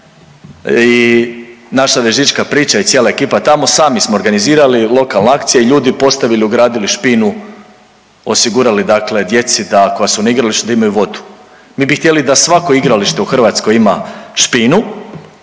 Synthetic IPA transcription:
i | naʃaʋeʒit͡ʃkapɾiːt͡ʃajit̪sjeːlaekiːpat̪amo̞saːmismo̞ːɾɡaniziːɾalilˠo̞kalˠneakt̪sijeiʎuːd̪ipo̞st̪aʋiliuɡɾaːd̪iliʃpinu | o̞siɡuɾalid̪akle̞d̪je̞t̪sid̪ako̞jasunaiɡɾaliʃt̪ud̪aimajuʋo̞d̪u̥ | miːbixt̪ʲjelid̪asʋako̞iɡɾaliʃt̪e̞uxr̩ʋat̪sko̞jimaʃpinu

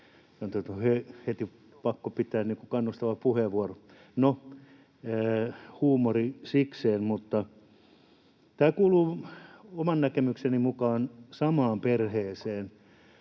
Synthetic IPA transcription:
sɑnot̪oet̪hehet̪i | pɑkːopit̪ˑæːnniːŋkukɑnːust̪ɑʋɑppuheʋuoro | no | huːmorisikseːnmut̪ːɑ | t̪æːkuːluːomɑnnækemyksenimukɑːnsɑmɑːmperheːseːn

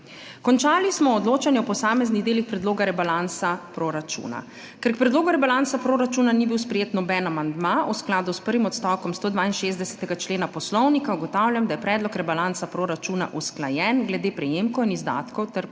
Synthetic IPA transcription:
kɔnt͡ʃaːlismɔɔd̪loːt͡ʃanjɛɔpɔsaːmɛzniɣd̪eːlixpɾɛd̪loːɡaɾɛbalansapɾoɾat͡ʃṵːna̰ | kɛɾkpɾɛd̪loːɡuɾɛbalansapɾoːɾat͡ʃunanibiwspɾɛjeːt̪nɔbɛnamand̪mausklaːd̪uspəɾʋimɔt̪st̪awkɔmst̪oːd̪ʋaːinʃeːzd̪ɛsɛ̥t̪ɛɡat͡ʃleːnapɔslɔwnikauɡɔt̪awljamd̪ajɛpɾɛːd̪lɔkɾɛbalant̪sapɾoːɾat͡ʃuna̰ʔusklajɛnɡlɛd̪eːpɾɛjeːmkɔwinizd̪a̰ːt̪kɔwt̪ɛɾ

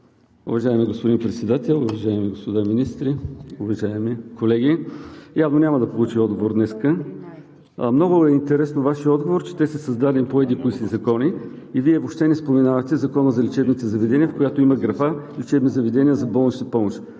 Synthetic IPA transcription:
ʊ̰vɐʒaɛmiɡospod̪inpɾɛt̪sɛd̪at̪ɛlˠʊvɐʒaɛmiɡospod̪aminist̪ɾiʊvɐʒaɛmikolɛɡʲijavnonʲamɐd̪ɐpolˠut͡ʃiɔd̪̚ɡovoɾd̪nɛskə | mnɔɡʊɛint̪ɛɾɛsnovaʃiəɔd̪ɡovoɾt͡ʃɛ̥t̪ɛsɛsɐzd̪ad̪ɛnipoɛd̪ikoisizɐkɔni | iviɛvopʃt̪ɛnɛspomɛnavət̪ɛzɐkɔnəzɐlɛt͡ʃɛbnit̪ɛzɐvɛd̪ɛnʲiəfkojat̪oimɐɡɾɐfa | lit͡ʃɛbnizɐvɛd̪ɛnʲiəzɐbɔlˠnʃt̪əpɔmoʃt̪

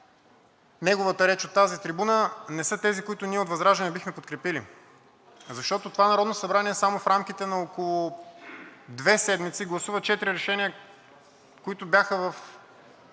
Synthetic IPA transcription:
nɛɡovət̪əɾɛt͡ʃot̪ːazit̪ɾibunənɛsɤt̪ɛzikoʊit̪ʊniɛot̪vɐzɾaʒɛnɛbixmɛpot̪̚kɾɛpili | zɐʃt̪ɔt̪ot̪ovanɐɾɔd̪nosɐbɾaniɛsamofɾamk̟it̪ɛnɐokolˠʊ | d̪vɛsɛd̪mit̪siɡlˠɐsuvət͡ʃɛt̪iɾiɾɛʃɛnʲiə | koit̪ʊbjaxəvɐf

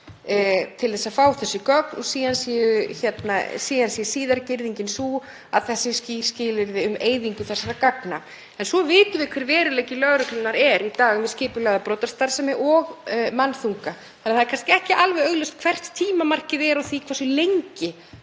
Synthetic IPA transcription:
t̪ʰɪlθɛsːaðfaːwθɛsːʏkœknɔsiːðansɛjʏçɛt̪nasiːðansjɛsiːðaɾcɪɾðiɲcɪnsuː | a̰ðθɛsːɪsciscɪːlɪɾðɪʏmeːjðiŋkʏθɛsaɾakakna | ɛnsɔvɪːt̪ʏvɪkʰvɛɾvɛːɾʏleːjcɪlœɣɾʏklʏnːaɾɛɾit̪aːɣʏmvɪðscɪːpʏlaɣðapɾɔːt̪aɾ̥st̪aɾsɛmɪʔɔɣmanːθuŋka | θanaðθaðɛɾkʰanscɪɛhcɪʔalvɛjœɣlœst̪kʰv̥ɛr̥t̪ʰiːmamar̥cɪðɛɾawθikʰvasʏlejɲcɪ

